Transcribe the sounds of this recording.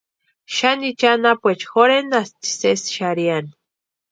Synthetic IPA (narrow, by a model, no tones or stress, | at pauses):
ʃanit͡ʃanapʷwet͡ʃxoɾenasti̥sesʃaɾiani